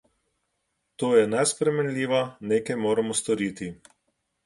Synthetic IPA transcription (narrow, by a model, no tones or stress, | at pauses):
t̪oːjɛnaspɾɛmɛnlʲiːʋanekajmoːɾamɔst̪ɔɾiːt̪i